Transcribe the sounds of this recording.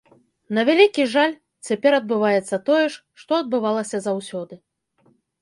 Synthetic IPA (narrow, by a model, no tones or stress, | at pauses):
nɐvʲalʲikʲiʐalʲ | t͡sʲapʲɛɾɐd̪̚bɨvajɛt̪sːɐt̪ɔjɛʂ | ʂt̪ɔɐd̪̚bɨvalˠɐsʲɐzawsʲɔd̪ɨ